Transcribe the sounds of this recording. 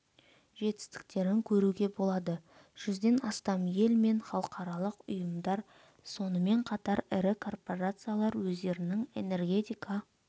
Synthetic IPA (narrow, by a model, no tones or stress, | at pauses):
ʒe̞t̪ɪ̥st̪ɪ̥k̚t̪e̞ɾɪŋkʲʰɵɾuɡʲe̞bo̞lˠɑd̪ə | ʒ̥ʏzd̪e̞nɑst̪ɑmje̞lme̞nχɑlˠəqʰɑɾɑlˠəqʊjəmd̪ɑɾ | so̞nəme̞ɴqʰɑt̪ɑɾɪɾɪkʰo̞rpo̞ɾat̪sɨjalˠɑɾwɵzd̪e̞ɾɪnɪŋe̞̰ne̞rɡʲe̞t̪ʲijkʰa